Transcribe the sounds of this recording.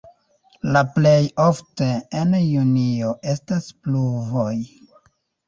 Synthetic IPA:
laple̞jo̞fteenjunio̞ʔe̞staspluvo̞j

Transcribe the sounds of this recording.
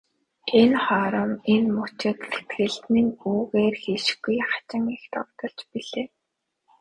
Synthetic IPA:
enχɔːɾə̆menmʊt͡ɕɪ̆k̪se̥t̪ɡɘ̆ɮt̪nĭŋuːɣeːrxeːʃ̆ɡujχḁt͡ɕɪ̆ŋext̪ʰɔ̰wt̪ɞ̆ɮt͡ɕpiɮeː

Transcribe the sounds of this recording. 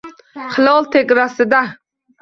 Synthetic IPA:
χɨlˠɒlˠt̪ʰeɡʲɾasɪd̪a

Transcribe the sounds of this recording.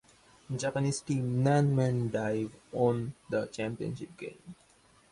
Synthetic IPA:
d͡ʒæpəniːsʈĩːmnæ̃nmɛ̃nɖaɪʋɔ̃nd̪ət͡ʃæ̃mpiə̰̃nʃɪp̚ɡḛ̃ɪ̃m

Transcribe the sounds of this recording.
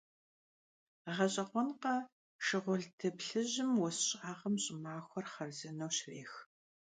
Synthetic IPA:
ʁɐɕʼɐqʷɔnqɐ | ʃɪʁʷʊɮtʰɐpɬɨʑɪmwɔsɕʼaːʁɐmɕʼɪmaːxʷɔrχɐrzɨnɐwɕreːx

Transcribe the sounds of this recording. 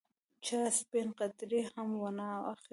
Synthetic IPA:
t͡ʃaspenqat̪ɾihamwanaax

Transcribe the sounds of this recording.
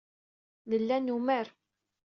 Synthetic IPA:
nəlːænːuməɾ

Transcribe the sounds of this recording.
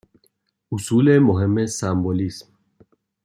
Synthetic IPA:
usulɛmoɦɛmɛsambolism

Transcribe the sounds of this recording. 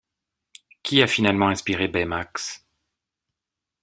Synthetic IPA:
kʲiafinalmɑ̃ɛ̃spiʁebɛmaks

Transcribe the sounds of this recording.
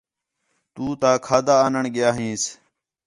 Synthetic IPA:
t̪uːt̪aːkʰaːd̪aːnəɳɡɪjaːɦĩːs

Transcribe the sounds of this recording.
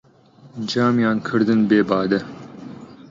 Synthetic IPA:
d͡ʒɑːmjɑːnkʰɨɾd̪ɨnbeːbɑːd̪ɛ

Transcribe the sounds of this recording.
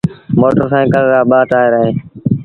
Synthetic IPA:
moːʈəɾsãːẽkəlɾaːɓaːt̪aːeːɾəɦẽː

